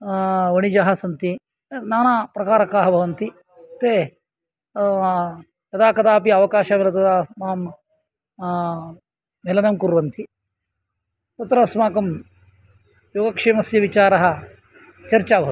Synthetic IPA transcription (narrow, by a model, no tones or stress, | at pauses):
ʋɐɳid͡ʒaɦɐsɐnt̪i | naːnaːpɾɐkaːɾɐkaːɦɐbʱɐʋɐnt̪i | t̪eː | jɐd̪aːkɐd̪aːpiɐʋɐkaːʃaːmelɐt̪ɐd̪aːmaːm | elɐnɐmkuɾʋɐnt̪ʰi | t̪ɐt̪ɾɐsmaːkɐm | joːɡɐkʂeːmɐsjɐʋit͡ʃaːɾɐɦɐ | t͡ʃɐɾt͡ʃaːbʱɐʋ